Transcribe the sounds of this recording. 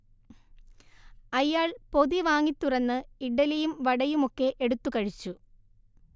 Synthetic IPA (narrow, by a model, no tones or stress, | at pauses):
ɐjːaːɭpo̞ðiʋaːŋːit̪ːurɐnːɨiɖɐlɐjumʋɐɽɐjumo̞kːe̞ʔeɽut̪ːukɐɻit͡ɕːu